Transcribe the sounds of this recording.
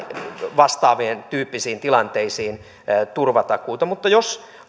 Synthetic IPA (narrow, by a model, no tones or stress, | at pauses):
ʋɑst̪ɑːʋient̪yːpːisiːnt̪ilɑnt̪eisiːn | t̪urʋɑt̪ɑkuːt̪ɑmut̪ːɑjos